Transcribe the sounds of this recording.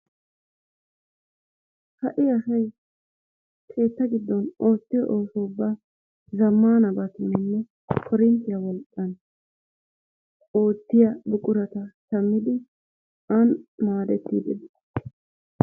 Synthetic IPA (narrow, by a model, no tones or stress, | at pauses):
hɐʔɪɐsɐj | kʰe̞ːt̪ːɐɡɪd̪ːɔno̞ːt̪ːɪjɔ̰ʔoːfoːbːaː | zɐmːaːnɐbɐt̪ʊnːɛnːɛ | kʰɔɾɪnt̪ːɪjɐwɔlkʼːɐn | o̞ːt̪ːɪjɐbʊkʼʊɾɐt̪ɐtɐmːɪd̪ɪ | ɐnmaːd̪ɛt̪ːḭːd̪ɛdɪ̥